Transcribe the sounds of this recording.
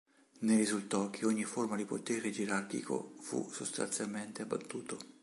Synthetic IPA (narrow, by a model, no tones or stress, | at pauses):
neɾizult̪ɔk̟ʰːeoɲːiformad̪ipot̪ɛːɾed͡ʒeɾark̟ḭkʰo̰fṵsost̪a̰nt̪sjalment̪eabːa̰t̪ːuːt̪o